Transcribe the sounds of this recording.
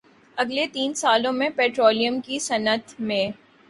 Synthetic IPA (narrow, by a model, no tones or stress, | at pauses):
ɐɡlet̪iːnsaːlõmẽpɛːʈɾoːlijəmkisɐnət̪ʰmẽ